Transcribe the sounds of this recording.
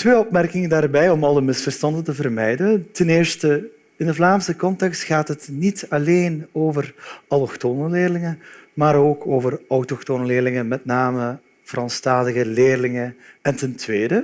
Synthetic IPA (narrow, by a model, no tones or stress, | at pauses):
tʋeːɔpmɛrkɪŋəndaːrbɛjɔmɑlˠəmɪsfərstɑndəntəvərmɛjdəntɛnɪːrstə | ɪndəvlaːmsəkɔntɛkstxaːtɦətnitɑleːnoːvərɑlɔxtoːnəleːrlɪŋənmaːɾoːkʰoːvərɔwtɔxtoːnəlɪːrlɪŋəmɛtnaːmə | v̥əɾɑntstaːdəɣəleːrlɪŋəɛntɛntʋeːdə